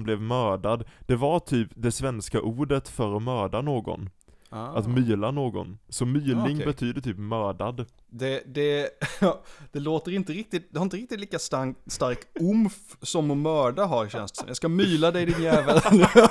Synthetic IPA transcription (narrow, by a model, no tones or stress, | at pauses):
mblɛvmœːɖad̪d̪ɛvaɾʈ̪ʰyːpd̪ɛsvɛnskaʔuːɖət̪fœɾɔmœːɖanoːɡɔ̰n | at̪myːlanoːɡɔ̰nsɔmyːlɪŋbɛt̪ʰyːd̪ət̪ʰyːpmœːɖad̪ | d̪ɛd̪ɛ | d̪̥ɛloːt̪əɾɪnt̪əɾɪk̚t̪ɪt̪̚d̪ɛhaɾɪnt̪əɾɪk̚t̪ɪt̪liːkast̪ast̪aɾkʊmf | sɔmɔmœːɖaɦaɾɕɛ̰nst̪sɔ̰mjɑɡskamyːlad̪ɛjd̪ɪnjɛːvəɾn